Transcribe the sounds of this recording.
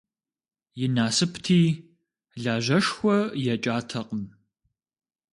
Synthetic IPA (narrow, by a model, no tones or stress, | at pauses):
jɪnaːsɨpʰtʰiː | ɮaːʒɐʂxʷɔjɛt͡ʃʼaːtʰɐqʼən